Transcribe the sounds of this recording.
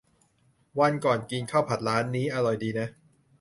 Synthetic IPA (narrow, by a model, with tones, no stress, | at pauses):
wa˧nkɔː˨˩nki˧ŋkʰa˥˩wpʰa˨˩t̪̚ɾaː˦˥nːiː˦˥ʔa˧ɾɔ˨˩jdiː˧na˦˥